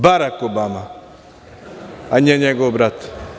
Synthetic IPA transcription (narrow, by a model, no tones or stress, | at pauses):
baɾakobama | aɲɛɲɛɡobɾat̪